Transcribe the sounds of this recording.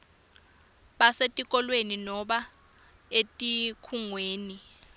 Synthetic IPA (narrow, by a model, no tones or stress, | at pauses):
ɓasetʼik̬ʼɔlweninɔɓa | etʼikʰuŋweːni